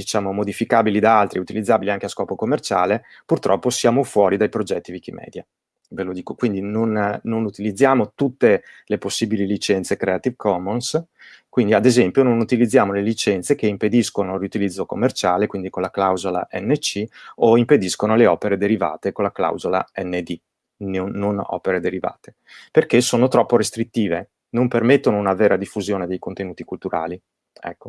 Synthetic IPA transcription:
d̪it͡ʃaːmomod̪ifikaːbilid̪aalt̪ɾiut̪ilid̪zːaːbiliaŋkeaskɔːpokomːert͡ʃaːle | purt̪ɾɔ̰pːosjaːmofwɔːɾid̪ajpɾod͡ʒɛt̪ːivik̟imɛ̰ːd̪ja | velod̪iːkokwind̪inonːonut̪ilid̪zːjaːmot̪ut̪ːeleposːiːbililit͡ʃɛnt̪sekɾeat̪ivkʰɔmons | kwind̪iad̪ezɛmpjononut̪ilid̪zːjaːmolelit͡ʃɛnt̪sekeimped̪iskonoriut̪ilid̪zːokomːert͡ʃaːlekwind̪ikonlaklawzola̰ʔɛ̰nːet͡ʃioimped̪iskonoleɔːpeɾed̪eɾiva̰ːt̪ekonlːakla̰wzola̰ɛnːed̪i | noːonɔ̰ːpeɾed̪eɾiva̰ːt̪e̥ | perkesoːnot̪ɾɔpːoɾest̪ɾit̪ːiːve | nompermet̪ːonounaveːɾad̪ifːuzjoːned̪ejkont̪enuːt̪ikult̪uɾa̰ːli | ɛ̰kːo

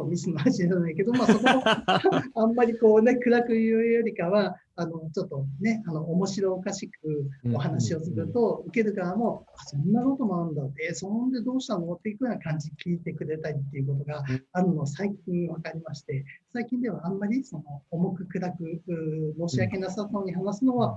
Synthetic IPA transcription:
omʲisɨmaβaɕiɾanaeke̞d̪o̞maːono | ãmːaɾʲiko̞ːne̞kɯ̟ɾakɯ̟jɯjoɾʲikaβaː | no̞t͡ɕo̞t̪ːo̞ne̞ano̞ʔːmo̞ɕiɾo̞ːkaɕikɯ̟oɦanaɕio̞sɨɾɯ̟t̪o̞ɯ̟ke̞ɾɯ̟ɡaamo̞asõ̞nːako̞t̪o̞mo̞aɾɯ̟̃nd̪at̪ːe̞sonond̪e̞d̪o̞ːɕi̥t̪amomot̪ːeikɯjonakãɲ̟d͡ʑikʲʰiːt̪e̞kɯ̟ɾe̞t̪aɾʲit̪ːeiɯ̟k̬o̞t̪o̞ɡaːɾɯ̟no̞βsaikʲĩβakaɾʲimaɕi̥t̪e̞saikʲĩnd̪e̞βãːmːaɾʲiso̞no̞ːmo̞kɯ̟kɯ̟ɾakɯ̟mo̞ːɕiakenasaoːɲ̟iɦanasɨno̞βa

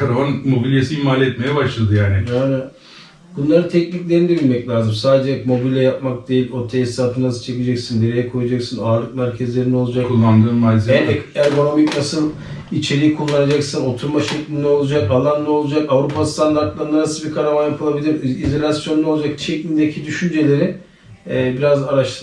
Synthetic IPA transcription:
kaɾavanmo̞bilʲjesiimaːlʲɛt̪̚me̞jɛbaʃlˠad̪ɯjaːnɪajnɛn | bunlˠaɾɯnt̪ʰɛcniclʲe̞ɾinid̪ebilʲmɛclʲaːzɯmsaːd̪ed͡ʒɛɛmo̞bilʲjɛjap̚mak̚d̪e̞jilʲo̞t̪ʰɛjɛsaːfɯnasɯ̥t͡ʃʰeced͡ʒɛcsind̪eɾejɛkʰo̞jad͡ʒaksɯnaːɾlˠɯk̚mæɾcʰɛzlʲe̞ɾinɛo̞lˠud͡ʒakʰulˠːand̪ɯːnmalʲzɛɛæɾɡo̞no̞micnasɯlˠ | it͡ʃʰe̞ɾijikʰulˠːanad͡ʒaksɯno̞t̪ʰuɾmaʃɛclʲind̪ɛo̞lˠud͡ʒakalˠanːˠao̞lˠud͡ʒakavɾupʰast̪ʰand̪aɾt̪lˠaɾɯnaɾasɯbikʰaɾamanjapʰɯlˠabilʲiɾizo̞lʲasjo̞nːˠo̞lˠud͡ʒak̚t͡ʃʰɛclʲind̪ecʰid̪yʃynd͡ʒe̞lʲe̞ɾiː | biɾazaɾaʃt̪ʰɯ

